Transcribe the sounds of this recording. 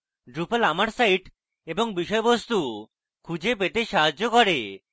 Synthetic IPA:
ɖɾupalamaɾsaiʈ | eboŋbiʃɔebost̪u | kʰud͡ʑepet̪eʃaɦad͡ʑːokɔɾe

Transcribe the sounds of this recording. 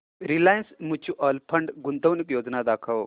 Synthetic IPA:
ɾilajənsmut͡ʃʰuʔɐlpʰɐɳɖɡunt̪əʋnikjoːd͡ʒnad̪aːkʰɐw

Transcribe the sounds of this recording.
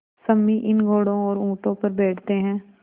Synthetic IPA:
səmːiʔɪnɡʱoːɽõɔːɾũːʈõpəɾbɛːʈʰt̪eɦɛ̃ː

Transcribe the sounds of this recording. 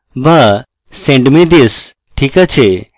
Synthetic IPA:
bɐ | sẽɳɖmĩd̪is | ʈʰiːkət͡ɕʰe

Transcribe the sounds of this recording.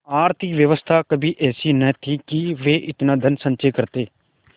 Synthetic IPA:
aːɾt̪ʰikʋjəʋəst̪ʰaːkəbʱiːʔɛːsiːnɛːt̪ʰiːkɪʋeːʔɪt̪nãːd̪ʱənsə̃nt͡ʃeːkəɾt̪eː

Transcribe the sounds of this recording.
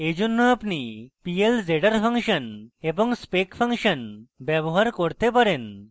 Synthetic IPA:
ed͡ʑunːuapnipield͡zeɽəɾpʰəŋkʂənebɔŋɡspekpʰəŋkʂənbjɛboɦaɾkoɾt̪epəɾen

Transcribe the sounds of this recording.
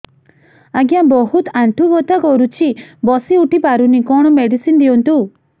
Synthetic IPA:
aɡjabɔɦut̪aɳʈʰubɔt̪akɔɾut͡ʃʰibɔsiuʈipaɾunikɔɽ̃ɔmeɽisind̪iɔnt̪u

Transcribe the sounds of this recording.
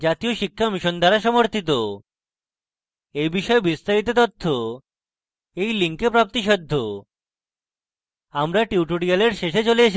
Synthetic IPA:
d͡ʑat̪ioʃikʰːamiʃond̪ʱaɾaʃɔmoɾt̪it̪̬o | ejbiʃɔebist̪aɾit̪̬et̪ot̪ʰːo | ejliŋkepɾap̚t̪iʃɔd̪ʱːo | amɾaʈiuʈoɽialeɾʃeʃet͡ɕolije

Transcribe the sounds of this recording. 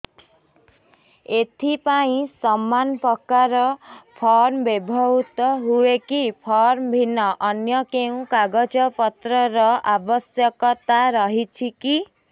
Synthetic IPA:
et̪ʰipaĩsɔmːanpɔkaɾɔpʰɔɾmbebʱɔɦut̪ɔɦuekipʰɔɾmbʱinɔʔːnjʌkeũkaɡɔd͡ʒɔpɔt̪ɾɔɾɔabɔsjɔkɔt̪aɾɔɦit͡ʃʰiki

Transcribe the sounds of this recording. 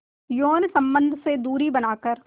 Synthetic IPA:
joːnsɐ̃mbə̃nd̪ʱsed̪uːɾibɐnaːkəɾ

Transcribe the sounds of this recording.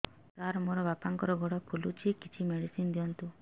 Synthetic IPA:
taɾmɔɾɔʋapaŋkɔɾɔɡɔɽapʰulut͡ʃʰikit͡ʃʰimeɽisind̪iɔnt̪u

